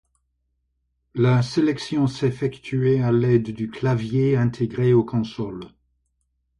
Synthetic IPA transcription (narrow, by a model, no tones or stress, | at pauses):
laselɛksjɔ̃sɛfɛkt̪yealɛd̪d̪yklavjeɛ̃t̪ʰeɡʁeokʰɔ̃sɔl